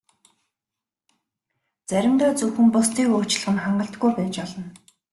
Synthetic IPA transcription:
t͡sæɾʲɪ̆mt̪ɔːt͡sɵxɘ̆mpʊst̪ʰiːkoːt͡ɕ̆ɮʁɘ̆nχaɴɢə̆ɬt̪ɡujpæːt͡ɕɔɮɞ̆n

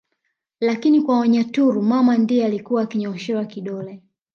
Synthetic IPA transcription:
lakinikwawaɲatuɾumamandijɛalikuwaːkiɲaɔʃɛwakiɗɔlɛ

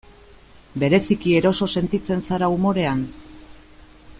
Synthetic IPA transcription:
be̞ɾe̞sikie̞ɾo̞so̞se̞nt̪it͡se̞nsaɾaumo̞ɾe̞an

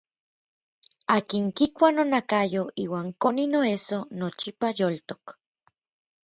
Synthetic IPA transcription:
aːkiŋkikʷanonakajoiːwaːŋkoninoesonot͡ʃipajolt̪o̥k

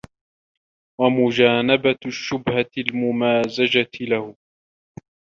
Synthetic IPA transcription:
wamʊd͡ʒaːnabaʃːʊbhaɪlmʊmaːzad͡ʒat̪ɪlahʊ

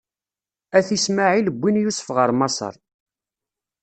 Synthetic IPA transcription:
æθismaʕiləbʷːinjusəfʁəɾˤmɑsˤə̰ɾˤ

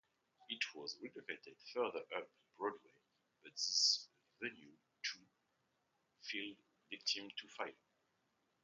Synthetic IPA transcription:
itʰwɔzɹɛdəkeɪtɨd̥fɜ˞ðə˞ʔʌp̚ | b̥ɹɔdweɪ | b̥ʌt̪̚ðɪs | vɛlju | tʰu | filˠ | vɪk̚tʰĩmtʰufaɪ

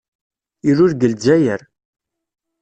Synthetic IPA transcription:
iɾʊɾɡəld͡ʒæjəɾ

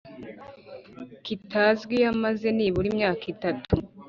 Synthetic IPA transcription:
kitaːzɡwiamaze̞niːβuɾimɲaːkitatu

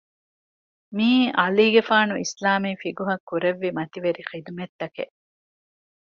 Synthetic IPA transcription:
miːʔɐliːɡefaːnuḭslaːmiːfiɡuɦɐkːuɾeʋːimɐt̪iʋeɾixid̪umet̪ːɐkḛʔ

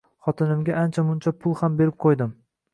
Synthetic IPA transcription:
χɒt̪ʰɪnɪmɡʲaant͡ʃʰamʊnt͡ʃʰapʰʊlˠhambe̞ɾɪp̚qʰojd̪ɪm

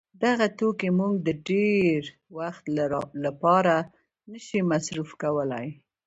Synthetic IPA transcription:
d̪aɣat̪okemuŋɡ̚d̪əɖeɾ | waxt̪lapɑɾa | nəʃimasɾufkawəlaj

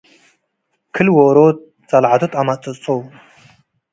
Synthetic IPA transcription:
kʰɨlwoɾoːt̚ | t͡sʼalʕat̪ʰɨt̪ʼamat͡sʼɨt͡sʼow

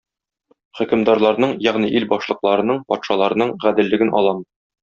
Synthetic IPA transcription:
χɵ̆kɘ̆md̪ɑɾlˠɑɾnɤɴjæʁniʔilbɒʃlˠɤ̆qlˠɑɾɤ̆nɤɴpɒt̪ʃɑlˠɑɾɤ̆nɤɴʁæd̪ɘ̆lːɘ̆ɡɘnʔɒ̰lˠɑm

